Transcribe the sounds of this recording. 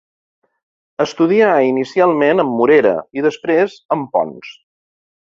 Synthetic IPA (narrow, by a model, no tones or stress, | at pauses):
əst̪uðiainisialˠmenəmːuɾeɾə̰iðəspɾezəmpɔ̰ns